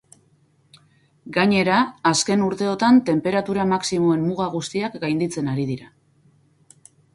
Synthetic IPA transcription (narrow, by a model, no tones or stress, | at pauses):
ɡaɲe̞ɾaːske̞nuɾt̪e̞o̞t̪ant̪e̞mpe̞ɾat̪uɾamaksimo̞e̞mmuɣaɣ̞ust̪iakɡajnd̪it͡se̞naɾið̞iɾa